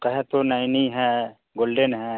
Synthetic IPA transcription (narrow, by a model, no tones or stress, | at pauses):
kɐɦɛ̃t̪onajniɦɛ̃ | ɡoːlɖenɦɛ̃